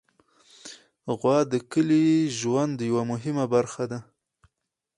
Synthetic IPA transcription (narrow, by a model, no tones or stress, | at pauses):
ɣwɑd̪əkəliʒwand̪ːəjawamʊɦɪmabaɾxad̪a